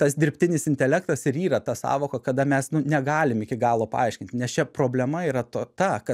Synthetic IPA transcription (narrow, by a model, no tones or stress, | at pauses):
t̪ɐsd̪ʲɪɾʲpʲt̪ʲɪnʲɪsɪnʲt̪ʲɛlʲɛkt̪ɐsɪɾiːɾɐt̪ɐsɑ̰ːʋoːkɐkɐd̪ɐmʲɛsnʊnʲɛɡɑːlʲɪmɪkʲɪɡɑːlˠoːpɐ̰ɐɪʃʲkʲɪnʲt̪ʲɪnʲɛst͡ʃʲɛpɾoːbʲlʲɛmɐiːɾɐt̪oːt̪ɐkɐ